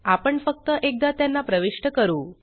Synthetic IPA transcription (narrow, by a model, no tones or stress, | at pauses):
apəɳfək̚t̪əʔek̚d̪at̪janːapɾəʋiʂʈəkəɾuː